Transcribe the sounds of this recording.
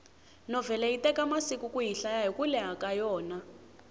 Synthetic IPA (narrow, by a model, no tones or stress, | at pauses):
nɔvɛlaitɛkamasikukujiɬajajɔkulɛɦakajɔːna